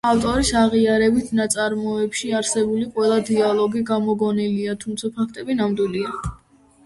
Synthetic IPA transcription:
aft̪ʼɔɾisaʁiaɾɛbit̪ʰnat̪sʼaɾmɔɛpʃiaɾsɛbuliqʼwɛlˠad̪ialˠɔɡiɡamɔɡɔniliat̪ʰumt̪sʰapʰakʰt̪ʼɛbinamd̪wilia

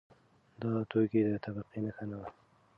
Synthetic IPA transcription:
d̪ɑt̪oked̪ət̪abaqinəxanawa

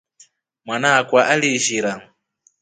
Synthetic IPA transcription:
mwanaːkwaʔaliʒiɾaŋ̩

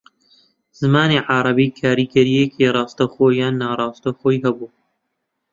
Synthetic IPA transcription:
z̥ɨmaːneːʕɑɾˤɑbiːkʰaːɾiːɡɐɾijekʰirˤɑːst̪ɐxoːjaːnːaːɾˤɑːst̪ɐxoːjhɐbuː

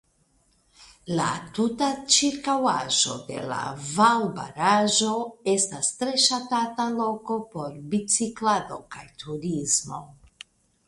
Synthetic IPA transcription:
la̰tutat͡ʃiɾkawaʒo̞̰de̞̰la̰vawba̰ɾaʒo̞e̞stastɾe̞ʃatatalo̞ko̞po̞ɾbit͡siklado̞kajtʰuɾizmo̞

